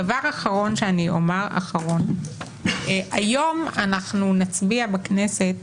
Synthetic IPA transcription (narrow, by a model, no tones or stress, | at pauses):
avaʁaχaʁo̞nʃeaniʔo̞̰meʁa̰χaʁo̞n | ʔajo̞manaχnunat͡sbiabaknese̞t